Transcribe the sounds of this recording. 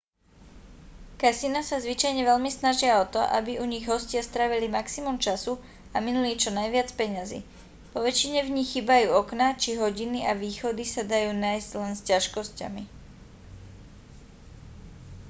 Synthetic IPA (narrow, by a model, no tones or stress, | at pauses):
kasinasazʋit͡ʃajɲɛʋɛʎmisnaʒɪaɔt̪ɔ̰ʔa̰biuɲiɣɦɔscɪast̪ɾaːʋilimaksimumt͡ʃasu | aminuliːt͡ʃɔnajʋɪat͡spɛɲazḭː | pɔʋɛt͡ʃiɲɛvɲixːiːbajuːɔknat͡ʃiɦɔɟiniʔaʋiːxɔd̪isad̪ajuːnajzɟlɛnscaʃkɔsca̰mi